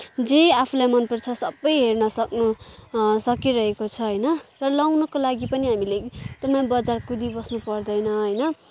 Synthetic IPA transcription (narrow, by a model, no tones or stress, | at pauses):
d͡zeapʰulajmʌnpʌrt͡sʰʌsʌbːʌjɦernʌsʌknu | sʌkiɾʌɦekot͡sʰʌɦʌjnʌrʌlawnʌkolaɡipʌniɦamilet̪ʌmãbʌd͡zarkud̪ibʌsnupʌrd̪ʌjnʌɦʌjnʌ